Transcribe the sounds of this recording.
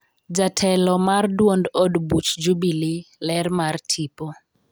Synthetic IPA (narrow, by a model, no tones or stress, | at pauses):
d͡ʒatʰɛlɔmardwondodbut͡ʃd͡ʒubililɛrmartʰipo